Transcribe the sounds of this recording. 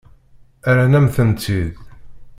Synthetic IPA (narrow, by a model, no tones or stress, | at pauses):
æɾænæmθənt̪ið